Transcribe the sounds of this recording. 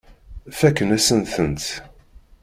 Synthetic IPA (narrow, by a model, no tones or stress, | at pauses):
fækːənæsənθənt̪